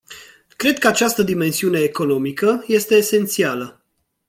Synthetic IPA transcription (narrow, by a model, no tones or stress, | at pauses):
kɾe̞d̪̚kəat͡ʃast̪əd̪ime̞nsiune̞ːko̞no̞mikəje̞st̪e̞ːse̞nt̪sialə